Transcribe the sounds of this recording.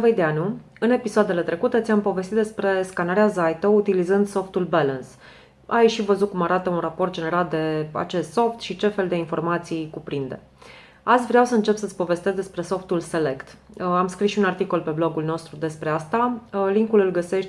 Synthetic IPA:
vəjd̪eanu | ɨne̞pisoad̪e̞le̞t̪ɾe̞kut̪ət̪sʲjampo̞vest̪it̪d̪espɾe̞skanaɾeazajt̪əut̪ilizɨnd̪so̞ft̪ulbaləns | ajʃivəzut̚kumaɾat̪əunrapo̞rt̪̚d͡ʒe̞ne̞ɾald̪e̞a̰t͡ʃe̞st̪so̞ft̪ʃit͡ʃe̞fe̞ld̪e̞info̞rmat̪sijkupɾind̪e̞̰ | at̪sʲvɾeawsəɨnt͡ʃe̞psət̪sʲpo̞ve̞st̪e̞zd̪e̞spɾe̞so̞ft̪ulse̞le̞kt̪amskɾisʃiunart̪ikolpe̞blo̞ɡulno̞st̪ɾud̪e̞spɾe̞ast̪aliŋkulɨlɡəse̞ʃt̪ʲ

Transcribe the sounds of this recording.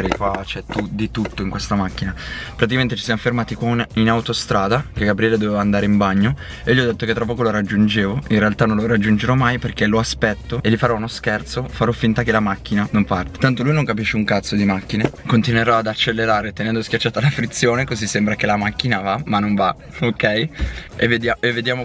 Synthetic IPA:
ɾikwat͡ʃɛt̪ːud̪it̪ut̪ːoiŋkwest̪amakːinapɾat̪ikament̪et͡ʃisjamofermaːt̪ikwaninawt̪ost̪ɾaːd̪akeɡabɾiɛːled̪ovevaːnd̪aːɾeimbaɲːo | ejolʎiɔd̪et̪ːoket̪ːɾapːɔːkoloɾad͡ʒːund͡ʒeːvoinrealt̪anːõnloɾad͡ʒːund͡ʒeɾɔmajperkeloaspɛt̪ːoelːifaɾɔunoskɛrt̪sofaɾɔfːint̪akelamakːinanompart̪e̥t̪ant̪olujnoŋkapiʃːeuŋkat̪sːod̪imakːinekont̪inweɾɔad̪at͡ʃːelːeɾaːɾet̪enɛnd̪oskʲjat͡ʃːaːt̪alafɾit̪sːjoːnekozisːembɾakelamak̟ːinavamanːoɱva | okɛjevːed̪jaevːed̪jaːmo

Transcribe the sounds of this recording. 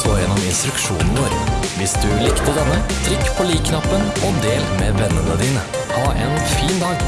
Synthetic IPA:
oːjɛnɔmɪnst̪ɾʉkʃuːnn̩ʋoːɾʋɪsd̪ʉlɪkt̪əd̪ɛnːət̪ʰɾɪkːpʰoːliːkkʰnɑpːənoːd̪eːlmeːʋɛnːənəd̪iːnə | ʔɑːʔɛnfiːnd̪ɑːɡ

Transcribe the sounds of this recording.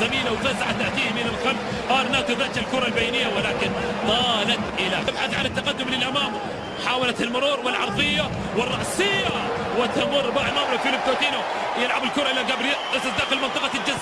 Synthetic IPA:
zamiːlawfazaʕat̪aʕt̪iːhmiːnɪlxalf | ʔɑːɾˤnaːt̪ʊðaːt͡ʃalkuːɾˤalbajnɪjːawɪlaːkɪnt̪ˤɑːlat̪ʔɪlatabħaθʕa̰nɪt̪ːaqad̪ːʊmlɪlʔamaːm | ħaːwalat̪ɪlmʊɾuːɾwɪlʕɑɾˤðˤɪjːa | wɪrˤːɑʔsɪjːa | wɪt̪amʊrːbaːʕɪlmaːmɾafɪlɪb̚k̪ot̪iːnu | jɪlʕabɪlkuːɾˤɑʔɪlaɡabɾɪasad̪aːxɪlmɪnt̪ˤɨqɑld͡ʒɪzː

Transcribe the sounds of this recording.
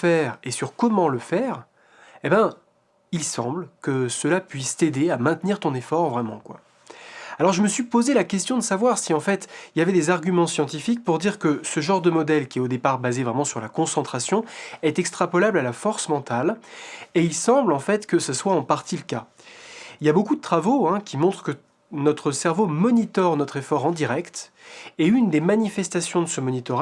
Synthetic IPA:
fɛʁesyʁkɔmɑ̃ləfɛːʁ | ebɛ̃ | ilsɑ̰̃blkəsəlapɥist̪ed̪eamɛ̃t̪niʁt̪ɔ̃nefɔʁvʁɛmɑ̰̃kwa̰ | alɔʁʒəməsɥipozelakʲɛst̪jɔ̃d̪əsavwaʁsiɑ̃fɛt̪iljavɛd̪ezaʁɡʲymɑ̃sjɑ̃t̪ifik̚puʁd̪iʁkəsəʒɑ̃ʁd̪əmɔd̪ɛlkʲiɛod̪epaʁbazevʁɛmɑ̃syʁlakɔ̃sɑ̃t̪χasjɔ̃ɛt̪ɛkst̪χapɔlablalafɔʁsmɑ̃t̪aleilsɑ̃blɑ̃fɛt̪kəsəswaɑ̃paʁt̪iləka | iljabokud̪ət̪χavoɛ̃kʲimɔ̃t̪χə̥kə | nɔt̪χəsɛʁvomɔnit̪ɔʁnɔt̪χefɔʁɑ̃d̪iʁɛkt̪ɛynd̪emanifɛst̪asjɔ̃d̪əsəmɔnit̪ɔʁ

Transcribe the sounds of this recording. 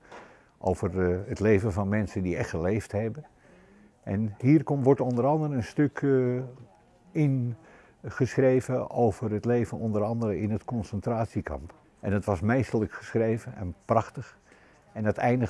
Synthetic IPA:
ʔo̰wvərətlejvənvɑnmɛnsəndiɛχtəlejfthɛbə | ʔɛnɦiːrkɔmʋɔɹtɔndəɾɑndəɾəənstøk | ɪn | χəsχrejvəowvərətlejvənɔndəɾɑndəɾəɪnətkɔnsəntraːtsikɑ̰mp | ʔɛndɑtʋɑsmejstələkχə̥sχrejvənɛ̰nprɑχtəχ | ɛndətɛjndə

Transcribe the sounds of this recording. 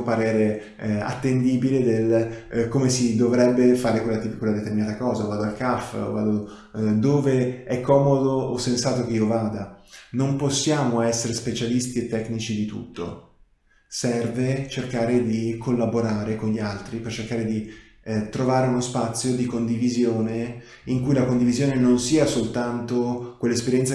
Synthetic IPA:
paɾɛːɾe | a̰t̪ːend̪iːbiled̪elkomesid̪ovɾɛbːefaːɾekwelːat̪ipikːwelad̪et̪erminaːt̪akɔːzavaːd̪oalkafva̰ːd̪o | d̪oːveɛkʰːɔːmod̪oːsːensaːt̪ok̟eiːovaːd̪anomposːjaːmoɛsːeɾespet͡ʃalist̪iet̪ːɛkːnit͡ʃid̪it̪ṵt̪ːo̰ | sɛrvet͡ʃerkaːɾed̪ikʰolːaboɾaːɾekonʎialt̪ɾipert͡ʃerkaːɾed̪i | t̪ɾovaːɾeunospat̪sːjod̪ikond̪ivizjoːne | iŋkujlakond̪ivizjoːnenonsiːasolt̪ant̪okwelːaespeɾjɛnt̪sa

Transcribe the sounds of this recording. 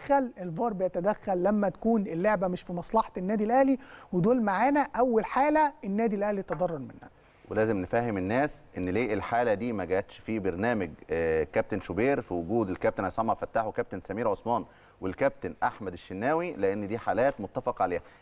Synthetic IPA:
ælelvɑːɾˤbejæt̪æd̪æxːælːæmːæt̪æ̥kuːnelːoʕbæmɪʃfimɑsˤlɑħɑenːæːd̪ilʔæhliwed̪oːlmaʕaːnæʔæwːælħaːlæenːæːd̪ilʔæhlit̪ɑd̪ˤɑrˤːɑɾˤmenhæ | welæːzemnefæɦhemenːæːsʔenːleːʔelħaːlæd̪iːmæɡæʔæt̪ʃfibeɾnæːmæɡkæp̚t̪enʃobeːɾfiwʊɡuːd̪elkæp̚t̪enʕajsˤɑmːɑɾfæt̪ːaːħwekæp̚t̪ensæmiːɾʕosmɑːn | welkæb̚t̪enʔaħmæd̪eʃːenːæːwileʔenːd̪iːħaːlæːt̪mot̪ːæfɑqʕaleːhæ

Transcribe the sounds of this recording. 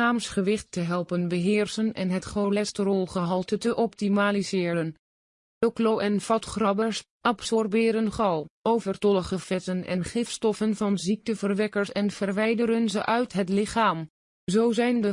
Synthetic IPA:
aːmsχəʋɪχtːəɦɛlˠpənbəɦɪːrsənɛ̰nɦətχowlɛstrɔlˠχəɦɑlˠtətəʔɔp̚timaːlizɪːɾən | oklowʔɛnfɑtχrɑbəɹs | ʔɑpsɔrbɪːɾənχɑlˠʔowvərtɔləχəfɛtənɛ̰nχɪftstɔfənvɑnzik̚təvərʋɛkəɹsɛnv̥ərʋɛjdəɾənzəʔœɥtɦətlɪχaːm | zowzɛjndə

